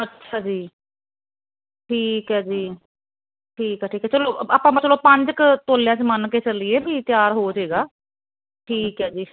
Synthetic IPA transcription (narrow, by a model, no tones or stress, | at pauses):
ətːʃʰaːd͡ʒiː | ʈʰiːkɦɛːd͡ʒiː | ʈʰiːkɛːʈʰiːkɦɛːt͡ʃəloːaːpãːm̃t͡ʃəloːpə̃ɲd͡ʒkt̪oːlɪjãːt͡ʃmənkeːt͡ʃəlieːbiːt̪jaːɾɦoːd͡ʒɦeːɡaː | ʈʰiːkɦɛːd͡ʒiː